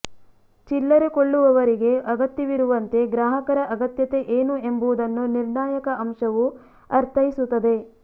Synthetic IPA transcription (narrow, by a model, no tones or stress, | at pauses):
t͡ʃilːɐɾekoɭːuʋɐʋɐɾiɡe̞ɐɡɐt̪jɐʋiɾuʋɐnt̪e̞ɡɾaːɦɐkɐɾɐʔɐɡɐt̪jɐt̪e̞ʔeːnue̞mbuʋud̪ɐnːuniɾɳaːjɐkɐʔɐmʃɐʋu | ɐɾt̪ʰɐjisut̪ːɐd̪e̞